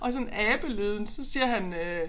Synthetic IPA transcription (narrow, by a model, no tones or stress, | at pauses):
ʔɒ̽s̬ɒ̽n̩æːb̥əløðˠn̩sɒ̽siːɐɦænø